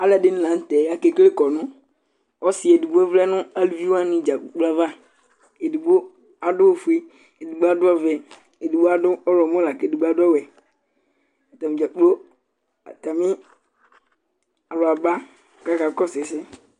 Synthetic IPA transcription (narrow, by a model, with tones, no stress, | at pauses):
a˨˦lɛ˨dɪ˦ñ˦lã˨n̩˦t̪ɛ˨˦a˦ke˨kle˦kɔ˨nʊ̃˦ | ɔ˦sɪ˨˦ɛ˨du˨ɡ͡bo˦ɛ˦vlɛ˦nʊ̃˦a˦lvi˦wa˦nɪ̃˨d͡ʒa˨k͡pla˦va˦ | e˨di˨ɡ͡bo˦ | a˨dʊ˦wo˦fu˦e˦ | e˨di˨ɡ͡ba˦dʊ˦ɔ˦vɛ˨ | e˨du˨bo˦a˦dʊ˦ɔ˦ɾɔ˨mɔ̃˦la˨ke˨du˨ɡ͡ba˦dʊ˦ɔ˦wɛ˨ | t̪a˨mĩ˨d͡ʒa˨k͡plo˦˨ | t̪a˨mɪ̃˦ | a˨lʊ˨a˨ba˦˨ | ka˦ka˨kɔ˦sɪ˨sɪ˦